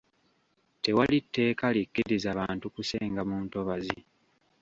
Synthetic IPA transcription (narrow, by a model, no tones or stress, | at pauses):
te̞walitːe̞ːkalikːiɾizaβaːntukuse̞ːŋɡamuːnto̞βazi